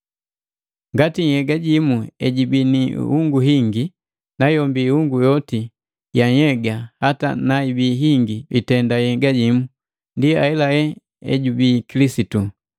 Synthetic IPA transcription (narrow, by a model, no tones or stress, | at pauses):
ŋɡatihɛɡaɟimuɛɟibinihuŋɡuɦiŋɡi | najɔmbihuŋɡujɔti | jaɲhɛɡahata̰naibiːɦiŋɡibitɛndajɛɡaɟimu | ndiaɛlahɛ | ɛ̰ɟubiːkilisitu